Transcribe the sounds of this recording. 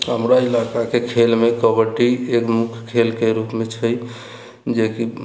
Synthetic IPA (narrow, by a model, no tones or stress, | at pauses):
hə̰mɾailakakekʰelmekəbəʈiekmukʰkʰelkeɾupmet͡ʃʰəj | d͡ʒeki